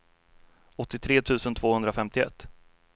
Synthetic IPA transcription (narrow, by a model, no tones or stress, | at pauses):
ɔt̪ːɪt̪ʰɾeːt̪ʰʉ̟ːsənt̪ʰv̥oːhɵnd̪ɾafɛmt̪ɪɛ̰t̪ː